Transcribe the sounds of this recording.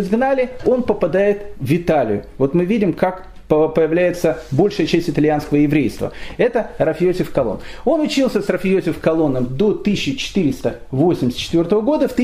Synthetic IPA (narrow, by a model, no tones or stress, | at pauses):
zɡnalʲɪo̞npəpɐd̪ajɪt̪vʲɪt̪alʲɪ̰jʊvo̞t̪mɨvʲidʲɪmkak | əpəjɪvlʲæjɪt̪səbo̞lʲʂɨjət͡ɕæsʲtʲɪt̪ɐlʲɪjanskəvəjɪvɾʲejst̪və̰ɛt̪əɾafʲjosʲɪfkɐlˠo̰no̞nʊt͡ɕilˠsʲəsrɐfʲɪjosʲɪfkɐlˠo̞nːəmd̪o̞t̪ɨɕːɪt͡ɕɪ̥t̪ɨɾʲɪst̪əvo̞sʲɪmʲɪsʲt̪t͡ɕɪt̪vʲo̞rt̪əvəɡo̞d̪əft̪